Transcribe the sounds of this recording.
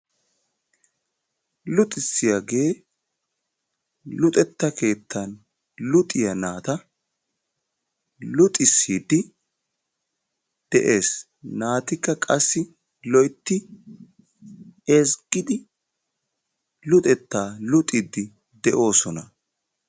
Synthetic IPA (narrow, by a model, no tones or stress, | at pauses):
lʊt̪ʼɪsːɪjaɡe̞ː | lʊt̪ʼɛt̪ːɐkʰe̞ːt̪ːɐn | lʊt̪ʼːɪjɐnaːt̪ɐ | lʊt̪ʼɪsːiːd̪ɪ | d̪̥ɛʔe̞ːs | naːt̪ɪkːɐkʼɐsːɪ | lɔjt̪ːɪ | esɡɪd̪ɪ | lʊt̪ʼɛt̪ːaːlʊt̪ʼɪd̪ːɪ | d̪ɛʔo̞ːsɔnɐ